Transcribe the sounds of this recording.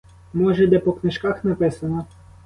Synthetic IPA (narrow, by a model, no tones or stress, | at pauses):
mɔʒɛd̪ɛpɔknɪʃkɑxnɐpɪsɐnɔ